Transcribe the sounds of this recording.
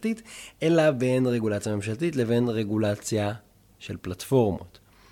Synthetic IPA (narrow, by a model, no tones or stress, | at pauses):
tit̪ʔe̞labe̞nʁe̞ɡulat͡sjame̞mʃaltitle̞ve̞nʁe̞ɡulat͡sja | ʃelplatfo̞ʁmo̞̰t̪